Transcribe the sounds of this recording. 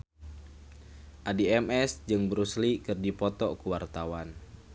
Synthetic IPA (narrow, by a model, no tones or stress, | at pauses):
ʔadiɛmɛsd͡ʒɨŋbɾuslikɨrdipɔt̪ɔkuwart̪awan